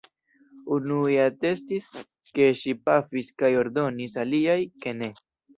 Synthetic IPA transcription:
unueate̞stis | ke̞ʃipafiskajo̞ɾdo̞nisaliajke̞ne̞

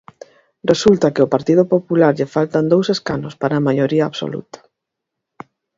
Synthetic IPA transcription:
result̪ɐkɪopaɾt̪ið̞opopulaɾʎɪfalt̪and̪owseskanospaɾaːmaʎoɾiɐaβso̰lṵt̪ḁ

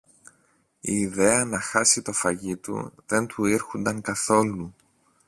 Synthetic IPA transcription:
ḭːðe̞ɐnɐxɐsit̪o̞fɐʝit̪ṵðe̞nt̪uiɾxund̪ɐŋkɐθo̞lu

